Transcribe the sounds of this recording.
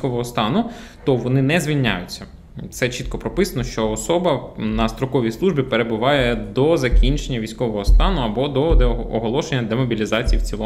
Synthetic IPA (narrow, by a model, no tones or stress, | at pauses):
kɔʋɔɦɔst̪ɑnʊ | t̪ɔʋɔnɪnɛzʲʋʲilʲnʲa̰jʊt͡sʲːɐ | t̪sɛt͡ʃit̪̚kɔpɾɔpɪsɐnɔʃt͡ʃɔːsɔbɐnɐst̪ɾɔkɔʋʲijsˠuʒbʲipeɾe̞bʊʋɑjɛd̪ɔzɐkʲinʲt͡ʃenʲːɐʋʲisʲkɔʋɔɦɔst̪ɑnʊɐbɔd̪ɔd̪eɔɦɔlˠɔʃenʲːɐd̪emɔbʲilʲizɑt͡sʲijiwt͡sʲilˠɔ